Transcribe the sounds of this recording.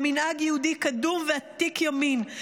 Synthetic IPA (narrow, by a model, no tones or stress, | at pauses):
minʔaɡjɛhudikadumveat̪ikjomin